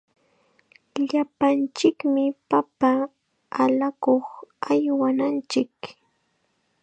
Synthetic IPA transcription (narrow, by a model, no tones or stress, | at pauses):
ʎapant͡ʃɪkmɪpapaː | lakoχajwanant͡ʃɪk